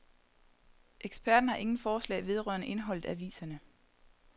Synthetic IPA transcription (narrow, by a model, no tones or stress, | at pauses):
ʔeɡ̥sb̥ʰæɐd̥n̩hɑ̈ʔe̝ŋn̩fɒːslɛ̰ːʋe̝ð̞ˠʁɶ̰ːɐnəʔe̝nəɦɒ̽l̰ð̩ˠæʋḭːsɐnə